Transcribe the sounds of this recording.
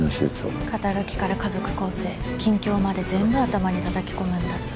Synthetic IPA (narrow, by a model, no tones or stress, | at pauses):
miɕeso̰kat̪aɾɯkʲi̥kaɾakazo̞kɯ̟̥ko̞ːse̞ː | kʲĩŋkʲo̞ːmad̪e̞zẽ̞mbɯ̟at̪amaɲ̟it̪ad̪akʲi̥ko̞mɯ̟̃nd̪a